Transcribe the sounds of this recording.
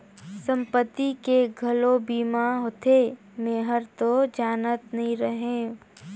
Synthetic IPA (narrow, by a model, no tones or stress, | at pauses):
sə̃mpət̪ːikeɡʱɐlobiːmaɦot̪ʰe | meːɦəɾt̪od͡ʒaːnət̪nɐɦĩɾəɦẽ